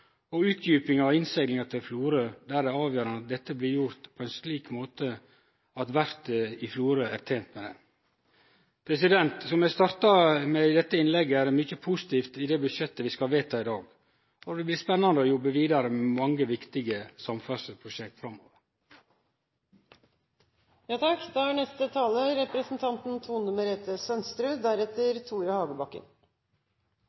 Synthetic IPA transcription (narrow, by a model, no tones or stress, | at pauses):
ɔʉːt̪ʰjyːpɪŋɑʋɪnst̪ɛɡlɪŋɑt̪ʰɪlfluːɾøːd̪æɾɛɑːʋjøːɾɑnɑt̪̚d̪ɛt̪ːəblɪɾjʊɾt̪pʰɔɛnsliːkmoːt̪ə | ɑt̪ʋæɾt̪əɪfluːɾøːæːɾt̪ʰeːnt̪mɛd̪ɛ̰ | pʰɾɛsɪd̪ɛnt̪sɔmæst̪ɑɾt̪ɑmɛɪd̪ɛt̪ːəɪnlɛɡːəæɾɛmʏçəpʰusɪ̥t̪ʰiːft̪ɪd̪ɛːbʉd̪ʃjɛt̪ːəʋɪskɑlʋeːt̪ʰɑːɪd̪ɑːɡ | ɔd̪ɛblɪspɛnːɑnd̪əɔjɔbːəʋiːd̪ɑɾəmɛmɑŋːəʋɪkt̪ɪɡəsɑmfœʂəpʰɾʊʃɛkt̪fɾɑmːo̰ːʋəɾ | jɑːt̪ʰɑkd̪ɛæɳɛst̪ət̪ʰɑːləɾɛpɾəsn̩t̪ʰɑnt̪n̩t̪ʰuːnʉməɾeːt̪əsœnst̪ɾʉːd̪æɾɛt̪ːəɾt̪ʰuːɾjɑhɑːɡəbɑkːə̰n